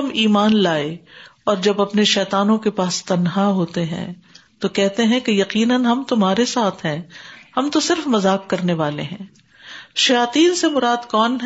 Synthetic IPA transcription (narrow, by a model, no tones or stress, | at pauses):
ɐmiːmaːnlaːeɔːɾd͡ʒɐbɐpneʃɛːt̪aːnõkepaːst̪ɐnɦaɦoːt̪eɦɛ̰̃ːt̪okɛɦt̪eɦɛ̃kejɐqiːnənɦɐmt̪ʊmɦaːɾesaːt̪ʰɦɛ̃ːhɐmt̪osɪɾfmɐzaːkːɐɾneʋaːlḛɦɛ̰̃ː | ʃɐjaːt̪iːnsemʊɾaːd̪kɔːnɦ